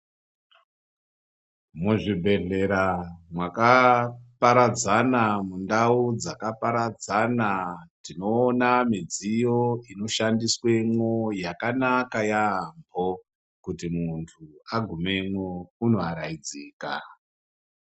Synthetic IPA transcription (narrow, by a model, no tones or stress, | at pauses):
muʐibʱe̞ɮe̞ɾamwakapaɾad͡zanamundaud͡zakapaɾad͡zanatino̞ːnamid͡zijo̞ino̞ʃandiswe̞ŋojakanakajambʱo | kutimuntʰuaɡʱume̞mwouno̞aɾaid͡ziːka̰